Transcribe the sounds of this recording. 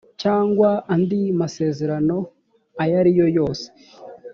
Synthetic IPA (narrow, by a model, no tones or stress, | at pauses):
caːŋɡwaandimase̞ːze̞ɾano̞ | ajaɾijo̞jo̞ːse̥